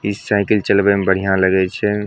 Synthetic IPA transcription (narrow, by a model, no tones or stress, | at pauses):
isaɪkəlt͡ʃəlbɛmbəɽ̤ijãləɡɛt͡ʃʰɛ